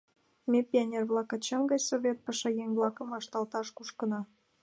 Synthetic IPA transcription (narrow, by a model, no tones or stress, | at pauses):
mʲepʲianʲerβlɑkɑt͡ɕɑmɡɑjsoβʲet̪̚pɑʃɑjeŋblˠɑkəmɑʃt̪ɑlt̪ɑʃkuʃkənɑ